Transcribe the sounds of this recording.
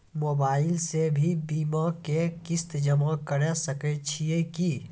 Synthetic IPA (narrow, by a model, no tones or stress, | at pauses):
moːbaːɪlsebʱibiːmakekɪst̪d͡ʒəmakəɾɛsəkɛt͡ʃʰieki